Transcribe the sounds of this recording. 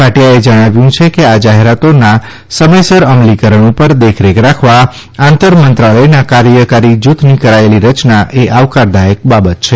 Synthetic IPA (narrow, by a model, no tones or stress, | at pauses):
paʈijaed͡ʒəɽ̃aʋjũt͡ʃʰekead͡ʒaɦeɾat̪ona | səməjsəɾəmlikəɾəɳ̃ũpəɾd̪ekʰɾekɾakʰʋa | ãnt̪əɾmənt̪ɾaləjnakaɾjəkaɾid͡ʒut̪ʰnikəɾaeliɾət͡ʃnaʔeʔaʋkaɾd̪ajək̚babət̪t͡ʃʰe